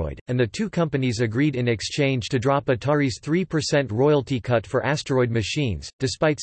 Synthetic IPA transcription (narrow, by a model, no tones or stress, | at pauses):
ɔ̰ɪɾɨ̃nðɨtʰʉkʰʌ̃mpɨnizɨɡɹiɾɨ̃nɨkst͡ʃʰẽɪ̃nd͡ʒ̥tʰɨdɹɑpɨtʰɑɹiz̥θɹipʰə˞sɛ̃ntɹɔɪl̩ˠtikʰʌtfə˞ʔæstə˞ɔɪd̚mɨʃĩnz̥d̥ɨspaɪt